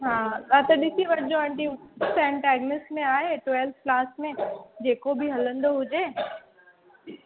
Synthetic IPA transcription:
ɦãːɐt̪ɐɗɪsiʋɐɾd͡ʑoɐ̃ɳʈisɛ̃ɳʈɛːɡnɪsmẽaːɦeʈʋeːlf̚klaːsmẽd͡ʑeːkobʱiɦɐlə̃nd̪oɦʊd͡ʑeː

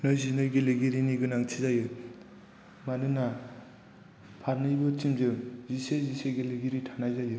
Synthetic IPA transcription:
nɯjzinɯjɡeleɡiɾiniɡɯnaŋt͡ʃʰizajɯ | manɯna | pʰaɾnɯjbɯt͡ʃimzɯziseziseɡeleɡiɾitʰanajzajɯ

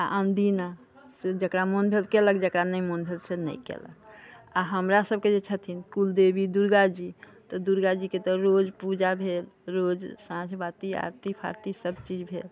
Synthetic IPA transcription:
aʔənd̪ina | sed͡ʒəkɾamonbʱelkelək̚d͡ʒəkɾanəimonbʱelsenə̰ikḛlə̰k̚aɦəmɾasəb̚ked͡ʒet͡ʃʰət̪ʰinkuld̪ebid̪uɾɡad͡ʒi | t̪ɔd̪uɾɡad͡ʒiket̪ɔɾod͡ʒpud͡ʒabʱelɾod͡ʒsãd͡ʒbat̪ia̰ɾt̪ipʰa̰ɾt̪isəbt͡ʃid͡ʒbʱḛl

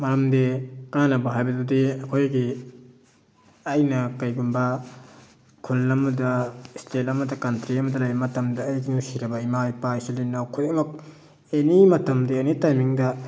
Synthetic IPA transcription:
mɐɾɐmdekananɐbɐɦajbɐdudiɐkʰojɡi | ɐjnɐkɐjɡunbɐ | kʰulːɐmɐdɐstetɐmɐdɐkantɾiɐmɐdɐlajmɐtɐmdɐːjɡinusiɾɐbɐimajpaisilinawkʰutmɐk̚ | enimɐtɐmdiɐnitajmiŋdɐ

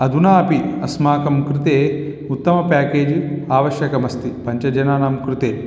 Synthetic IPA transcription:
ɐd̪ʱunaːɐpiɐsmaːkɐmkɾit̪eː | ut̪ːɐmɐpaːkeːd͡ʒiaːʋɐʃjɐkɐmɐst̪ipɐɲt͡ʃɐd͡ʒɐnaːnaːmkɾit̪eː

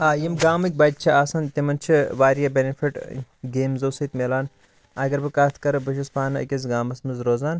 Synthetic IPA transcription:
aːjimɡaːmɨk̚ʲbaːt̪̚t͡ʃʰiaːsɐnt̪imɐnt͡ʃʰiʋaːɾijɐbenifʰiʈɡeːmzoːsɐt̪melaːn | ɐɡɐɾbɨkaːt̪ʰkɐɾɨbɐʃ̬ɐspaːnɨɐ̰kʲɐz̬ɡaːmɐsmɐzɾoːzaːn

